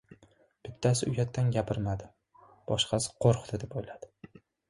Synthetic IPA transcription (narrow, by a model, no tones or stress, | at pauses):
b̥ɪt̪ʰːasɪʊjat̪ʰːanɡʲapʰɪɾmad̪ɪ | b̥ɒʃqʰɑsɪ̥qʰoɾqd̪ʰɪd̪epojlad̪̥ɪ